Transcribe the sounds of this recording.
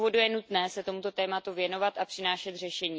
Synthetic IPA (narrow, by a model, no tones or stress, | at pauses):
vo̞dujɛnut̪nɛːsɛt̪omut̪o̞t̪ɛːmat̪uvjɛno̞vat̪ʔapr̥ɪnaːʃɛt̪r̝ɛʃɛɲiː